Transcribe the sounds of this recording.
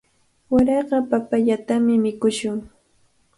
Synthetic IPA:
waɾɑɢɑpapaʎat̪amɪmɪkʊʃʊŋ

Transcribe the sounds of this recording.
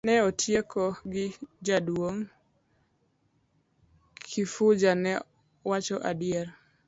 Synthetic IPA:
nɛotʰjekɔɡɪd͡ʒadwoŋ | kʰifud͡ʒanɛ | wat͡ʃɔʔadɪɛɾ

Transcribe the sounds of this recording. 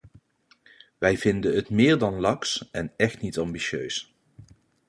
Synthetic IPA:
ʋɛjvɪndəətmɪːɹdɑnlɑksɛnɛχtnitɑmbiʃø̰ɥs

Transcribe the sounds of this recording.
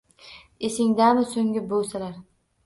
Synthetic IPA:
esɪŋd̪amɪsoŋʲɪbolˠsalaɾ

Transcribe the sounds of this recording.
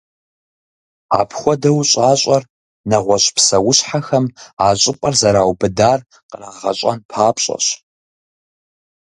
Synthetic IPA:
a̰ːpʰxʷɔdɐwɕʼaːɕʼɐr | nɐʁʷɔɕpsɐwʊɕħaxɐmaːɕʼɪpʼɐrzɐɾaːwbɨdaːr | qəraʁɐ̰ɕʼɐ̰npʰaːpɕʼɐ̰ɕ

